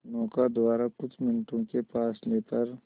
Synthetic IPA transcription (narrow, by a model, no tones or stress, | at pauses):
nɔːkad̪aːɾakʊt͡ʃʰmɪnʈõkepaːsleːpɐɾ